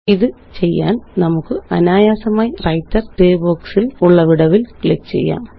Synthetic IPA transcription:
iðɨt͡ɕe̞jːa̰ːnnɐmukːɨɐ̰naːjaːsɐmaːjirɐjtːɐrɖeːbo̞ːksiluɭːɐʋiɽɐʋilkɭekt͡ɕe̞̰jːa̰ːm

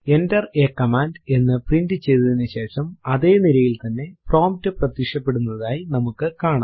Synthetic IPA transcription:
e̞ndɐreːkːɐmaːnde̞nːɨprindɨt͡ɕe̞jðuðinːɨɕe̞ːʂɐmɐðe̞ːniɾɐjilt̪ɐnːe̞pro̞ːmp̚tɨprɐt̪ːikʂɐpːe̞ɽunːɐðaːjinɐmukːɨkaːɳa̰

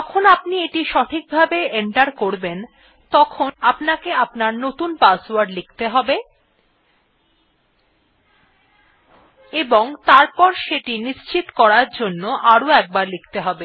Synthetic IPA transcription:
d͡ʑɔkʰonapnieʈiʃɔʈʰik̚bʱabeeɳʈaɾkoɾben | t̪ɔkʰonapnakeapnaɾnot̪unpaswaɾɖlik̚ʰt̪eɦɔbe | eboŋt̪aɾpɔɾʃeʈiniʃt͡ɕit̪kɔɾaɾd͡ʑonːoʔaɾoɛk̚baɾlik̚ʰt̪eɦɔbe

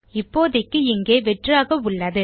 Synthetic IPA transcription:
ɪpːoːðɐkːɯɪŋɡeːʋɛʈraːɣɐʊɭːɐðɯ

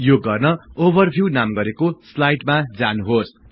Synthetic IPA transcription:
joɡʌrnʌobʌrbʱjuwnamɡʌɾekoslajʈmad͡zanuɦos

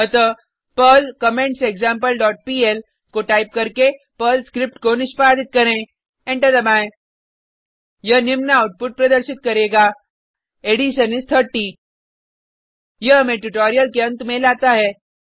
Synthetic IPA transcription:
ət̪ə | pəlkɐmẽɳʈsekzãːmpəlɖɔːʈ̚piːel | koʈaːɪp̚kɐɾke | pəlskɾɪp̚ʈkonɪʃpaːd̪ɪt̪̚kɐɾẽ | ẽɳʈəd̪ɐbaːẽ | jɐnɪmnaːʊʈ̚pʊʈ̚pɾɐd̪əɾʃɪt̪̚kɐɾeːɡaː | eːɖiʃənɪst̪ʰəɾʈiː | jɐɦɐmẽʈuʈoːɾijəlkeɐ̃nt̪mẽlaːt̪aɦɛː

